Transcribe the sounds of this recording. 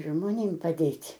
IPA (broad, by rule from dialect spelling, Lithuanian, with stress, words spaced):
ʒmoːˈnʲeːm pɐˈdʲeːtʲ